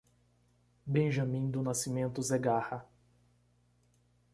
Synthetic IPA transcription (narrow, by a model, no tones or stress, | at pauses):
bẽʒɐ̃mĩd̪ʊnasimẽnt̪ʊzeɡahɐ